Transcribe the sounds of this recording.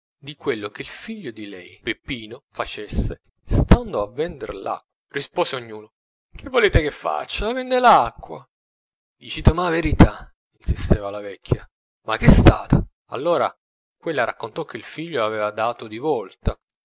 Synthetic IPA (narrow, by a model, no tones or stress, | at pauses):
d̪ikwelːok̟eilfiʎːod̪ilɛjpepːiːnofat͡ʃesːe | st̪and̪oavɛnd̪erla̰ | rispoːseoɲːuːno | k̟ʰevːoleːt̪ekefːa̰t͡ʃːavɛnd̪elakːwa | d̪it͡ʃit̪omaveɾit̪a | insist̪eːvalavɛkʰːja | makːest̪a̰ːt̪a | a̰lːoːɾa̰ | kwelːaɾʔa̰kːont̪ɔkːeilfiʎːoavɛːvad̪aːt̪od̪ivɔlt̪a